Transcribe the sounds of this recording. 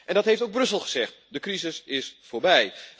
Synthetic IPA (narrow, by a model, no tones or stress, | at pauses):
ʔɛ̃ndɑtɦejftowɡbrɵsəlˠχəz̥ɛχt | dəkrizɪsɪsfʊːɹbɛj